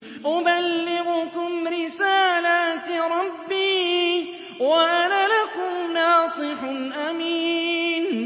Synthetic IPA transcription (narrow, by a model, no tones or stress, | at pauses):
ʔʊbalːɪɣʊkʊmɾɪsaːlat̪ɾˤɑbːiː | waʔanalakʊmnɑːsˤɨħnʔamiːn